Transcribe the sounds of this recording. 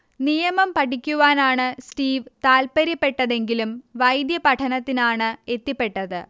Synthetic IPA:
nijɐmɐmpɐʈʰikʲːuʋaːnaːɳɨsʈiːʋt̪aːlpɐɾipːe̞ʈːɐðe̞ŋɡilumʋɐjd̪jɐpɐʈʰɐnɐt̪ːinaːɳɨe̞t̪ːipːe̞ʈːɐðɨ

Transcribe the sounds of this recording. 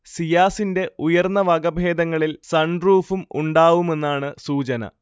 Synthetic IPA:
sijaːsinde̞ujɐrnːɐʋɐɡɐbʱe̞ːd̪ɐŋːɐɭilsɐɳruːfumṵɳɖaːʋume̞nːaːɳɨsuːt͡ɕɐnɐ̰

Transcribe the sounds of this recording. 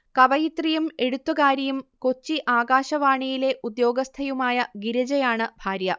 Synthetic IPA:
kɐbɐjit̪rijume̞ɽut̪ːukaːɾɐjumko̞t͡ɕːiʔaːɡaːɕɐʋaːɳijile̞ʔud̪jo̞ːɡɐst̪ʰɐjumaːjɐɡiɾɐd͡ʑɐjaːɳɨbʱaːɾjɐ

